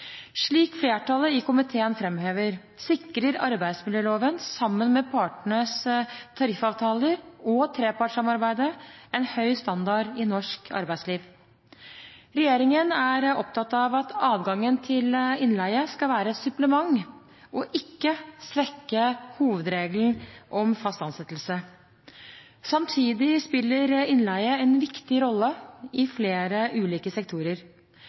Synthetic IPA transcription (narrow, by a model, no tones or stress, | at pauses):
ʂɭiːkfleːʈɑləɪkʊmɪt̪ʰeːənfɾɛmheːʋəɾ | sɪkɾəɾɑ̰ɾbæɪsmɪljøːloːʋənsɑmːənmɛpʰɑːʈɳəst̪ʰɑɾɪfɑːʋt̪ʰɑːləɾɔt̪ʰɾeːpɑʈʂɑmɑɾbæɪd̪əɛnhœʏst̪ɑnd̪ɑɖɪnɔʂkʰɑ̰ɾbæɪsliːʋ | ɾɛjeːɾɪŋənæɾɔp̚t̪ʰɑt̪ːɑʋɑt̪ʰɑːʋɡɑŋːənt̪ʰɪlɪnlæɪəskɑlʋæːɾəɛsʉpləmɑŋ | ʔɔʔɪkːəsʋɛkːəhuːʋəd̪ɾeːɡln̩ʔɔmfɑst̪ɑnsɛt̪ːl̩sə | sɑmt̪ʰiːd̪ɪspɪlːəɾɪnlæɪəɛnʋɪkt̪ɪɾɔlːəɪfleːɾəʔʉːliːkəsɛk̚t̪ʰuːɾəɾ